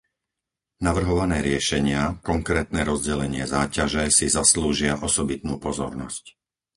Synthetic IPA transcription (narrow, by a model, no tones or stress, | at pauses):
naʋr̩ɦɔʋanɛːɾɪɛʃɛɲɪakɔŋkɾɛːt̪nɛːɾɔzɟɛlɛɲɪɛ̰zaːcaʒɛsizasluːʒɪaʔɔsɔbit̪̚nuːpɔzɔ̰ɾnɔsc